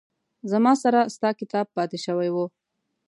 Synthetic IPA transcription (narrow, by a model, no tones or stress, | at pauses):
zamɑsaɾast̪ɑkɪt̪ɑb̚pːɑt̪eʃəwajwo